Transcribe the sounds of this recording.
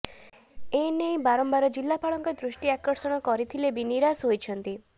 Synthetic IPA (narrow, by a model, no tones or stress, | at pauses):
enejbaɾɔmbaɾɔd͡ʒilːapaɭɔŋkɔd̪ɾusʈiakɔɾsɔɽ̃ɔkɔɾit̪ʰilebiniɾasɦojt͡ʃʰɔnt̪i